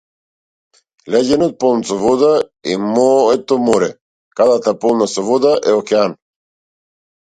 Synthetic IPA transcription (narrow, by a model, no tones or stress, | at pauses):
lɛɟenot̪̚polˠnt͡s̪ovod̪aḭmoɛt̪ːomoɾɛ | kad̪at̪apolˠnasovod̪aʔɛokean